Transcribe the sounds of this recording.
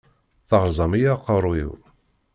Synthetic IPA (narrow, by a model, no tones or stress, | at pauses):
θəʁɾzˤɑmijaqːəɾˤwḭw